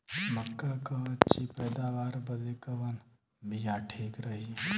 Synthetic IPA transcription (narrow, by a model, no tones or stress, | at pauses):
mɐkːakɐt͡ʃipɛːd̪aːʋaːɾbɐd̪ekɐʋɐn | bijaʈʰeːkɾəɦi